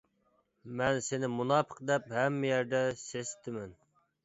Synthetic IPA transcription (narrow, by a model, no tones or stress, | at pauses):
mɛnsenɪmunɑːpʰəqd̪ɛphɛmːɪjæɾd̪ɛsest̪ʰɪmɛn